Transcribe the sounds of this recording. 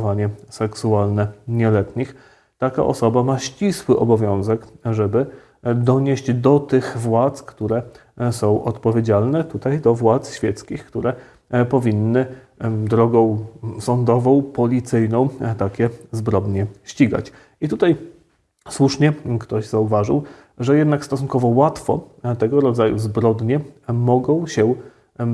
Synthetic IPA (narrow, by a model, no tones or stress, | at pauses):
vaɲɛsɛksualnɛɲɛlɛt̪ɲix | t̪aka̰ʔɔ̰sɔbamaɕt͡ɕiswɘʔɔbɔvʲjɔ̃w̃zɛkʐɛbɘ | d̪ɔɲeɕd͡ʑd̪ɔt̪ɘɣvwat̪skt̪uɾɛsɔ̃w̃ʔɔ̰t̪pɔvʲjed͡ʑalnɛt̪ut̪ajd̪ɔvwat̪sɕfʲjɛt̪skʲixkt̪uɾɛ | pɔvʲinːɘ | d̪ɾɔɡɔ̃w̃sɔnd̪ɔvɔ̃w̃pɔlʲit̪sɘjnɔ̃w̃t̪akʲɛzbɾɔd̪ɲɛɕt͡ɕiɡa̰t͡ɕ | it̪ut̪aj | swuʂɲɛkt̪ɔʑzauvaʐɘ̰w | ʐɛjɛd̪nakst̪ɔsunkɔvɔwat̪fɔ̰ | t̪ɛɡɔɾɔd̪zajuzbɾɔd̪ɲɛmɔɡɔ̃w̃ɕɛ